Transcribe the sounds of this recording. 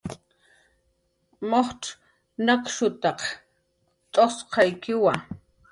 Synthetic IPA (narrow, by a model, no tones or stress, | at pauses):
moχʈ͡ʂ | nakʃʊt̪ɑq | t̪ʼosqʰɑjkɪwa